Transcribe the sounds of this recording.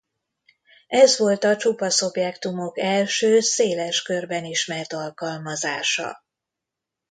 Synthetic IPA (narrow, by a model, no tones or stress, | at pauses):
ɛzʋo̞lt̪ɒt͡ʃupɒso̞bjɛkt̪umo̞kɛlʃøːseːlɛʃkørbɛniʃmɛrt̪ɒlkɒlmɒzaːʃɒ̰